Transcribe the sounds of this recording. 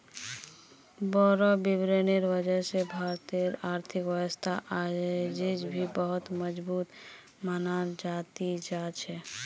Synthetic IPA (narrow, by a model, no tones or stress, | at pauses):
bɔɾɔbibɾeneɾʋəd͡ʒəɾsebʱaɾt̪eɾaɾt̪ʰɪkʋəwəst̪ʰaʔad͡ʒid͡ʒbʱibəɦʊt̪məd͡ʒbuːt̪ | manaɾd͡ʒat̪id͡ʒat͡ʃʰɛ